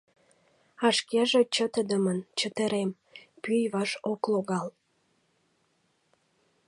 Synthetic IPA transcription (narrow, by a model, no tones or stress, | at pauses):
ɑʃkeʒet͡ɕət̪əd̪əmənt͡ɕət̪əɾem | pyjβɑʃokloɣɑl